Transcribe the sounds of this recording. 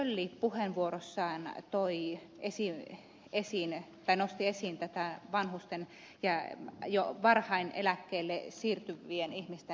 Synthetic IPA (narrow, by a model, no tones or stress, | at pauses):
ølːiːppuhenʋuorosːɑːnt̪oi | esi | esint̪ɑinost̪iesint̪æt̪æʋɑnhust̪en | jɑjoʋɑrhɑinḛlækːeːlːesiːrt̪yʋːienihmist̪e